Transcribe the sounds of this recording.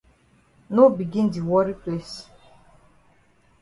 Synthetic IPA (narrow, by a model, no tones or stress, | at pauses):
nobiɡĩndiwɔɾipʰles